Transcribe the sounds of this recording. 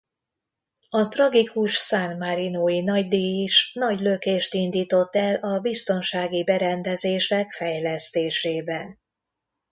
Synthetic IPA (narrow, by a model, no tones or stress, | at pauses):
ɒt̪rɒɡikuʃsanmaɾinoːinɒɟd̪iiʃnɒɟlø̞keːʃt̪ind̪iːt̪o̞t̪ːɛlɒbist̪o̞nʃaːɡibɛɾɛnd̪ɛzeːʃɛkfɛjlɛst̪eːʃeːbɛn